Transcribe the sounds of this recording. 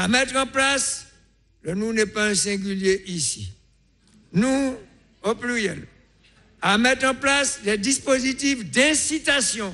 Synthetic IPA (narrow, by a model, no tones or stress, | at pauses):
amɛt̪χɑ̃plas | lənũnɛpaɛ̃sɛ̃ɡʲyljeʔisḭ | nũ | oplyjɛ̰l | amɛt̪χɑ̃plaslɛd̪ispozit̪ifd̪ɛ̃sit̪asjɔ̃